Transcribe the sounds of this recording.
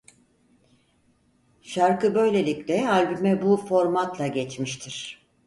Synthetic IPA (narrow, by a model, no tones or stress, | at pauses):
ʃaɾkɯbø̞jlʲe̞lʲiclɛalʲbymɛbufo̞ɾmat̪lˠaɟɛt͡ʃmiʃt̪ʰiɾ̥